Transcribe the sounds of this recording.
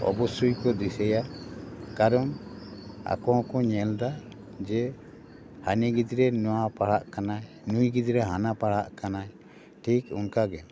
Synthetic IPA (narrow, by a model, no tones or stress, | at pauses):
ɔ̰bɔsujkɔd̪isɛja | kaɾɔŋ | a̰kɔhɔ̃kɔɲɛld̪a | d͡ʒɛ | haniɡid͡ʒɾɛnɔwapaɽaʔkanaj | nujɡid̪ɾɛɦanapaɽaʔkanaj | ʈʰikunkaɡɛ